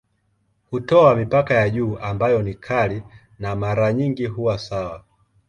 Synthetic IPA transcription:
hutɔamipakajaʄuːʔambajɔnikʰali | namaɾaɲiŋɡiɦuwasawa

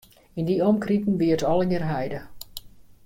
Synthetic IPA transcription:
indiɔmkritn̩ʋiətɔlˠəɡɪrɦɛjdə

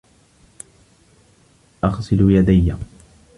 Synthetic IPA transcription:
ʔɑɣsˤɨlujad̪ajːa

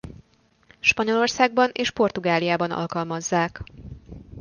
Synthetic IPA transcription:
ʃpɒɲo̞lo̞rsaːɡ̚bɒneːʃpo̞rt̪uɡaːlijaːbɒnɒ̰lkɒlmɒzːaːk

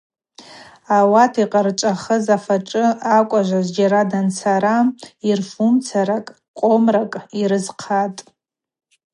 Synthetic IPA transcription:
awatʰiqʼərt͡ʃʷʼaχəzafaʈ͡ʂʼɨakʷʼaʒʷazʷd͡ʒaɾadant͡sʰaɾairfumt͡sʰaɾakʼ | qʷʼomrakʼiɾɨzqʰatʼ

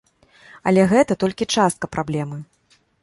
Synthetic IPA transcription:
ɐ̰lʲɛɣɛt̪ɐt̪ɔlʲkʲit͡ʂast̪̚kɐpɾʔablʲɛmɨ

